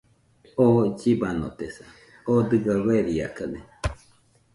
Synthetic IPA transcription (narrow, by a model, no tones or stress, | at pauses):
od͡ʒibano̰t̪esa | od̪ɨɡaβeɾia̰kane